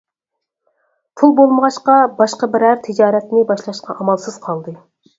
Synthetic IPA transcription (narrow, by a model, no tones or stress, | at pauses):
pʰulˠbolˠməʁɑʃqɑbɑʃqɑbɪɾæɾt̪ʰɪd͡ʒɑːɾɛt̪nɪbɑʃlˠɑʃqʰɑʔɑmɑlˠsɨz̥qʰɑlˠd̪ɨ